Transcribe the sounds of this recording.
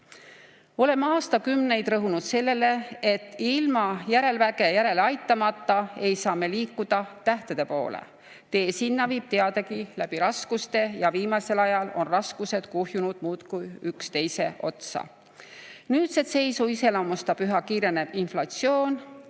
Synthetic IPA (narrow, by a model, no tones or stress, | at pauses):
o̞le̞mɑːst̪ɑkymne̞jd̪̥rɤɦunud̪̥se̞lːe̞le̞et̪ːilmɑjæɾe̞lvæɡ̥e̞jæɾe̞leɑjt̪ːˑɑmɑt̪ːˑɑe̞jsɑːme̞liːkːˑud̪̥ɑt̪æht̪ed̪̥e̞po̞̰ːlḛ | t̪e̞ːsinːɑviːb̥̚t̪e̞ɑd̪̥ɑɡilæb̥iɾɑskust̪e̞jɑviːmɑse̞lɑjɑlo̞̰nrɑskuse̞d̪̥kuɦjunud̪̥muːt̪kujykst̪e̞jse̞ʔo̞̰t̪sɑ̰ | nyːt̪set̪se̞jsuise̞lɑmust̪ɑpyɦɑkiːɾe̞ne̞b̥inflɑt̪sio̞ːn